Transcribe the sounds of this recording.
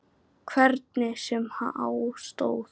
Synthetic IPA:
kʰvɛɾt̪̚nɪsɛmhaʔa̰ːwst̪o̰ːwθ

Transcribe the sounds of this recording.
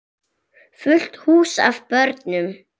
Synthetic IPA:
fʏl̥t̪huːsa̰vpœɾt̪nʏm

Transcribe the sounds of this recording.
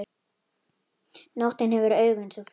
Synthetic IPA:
nowht̪ɪnɦɛvʏɾœːɥɣʏnsɔf

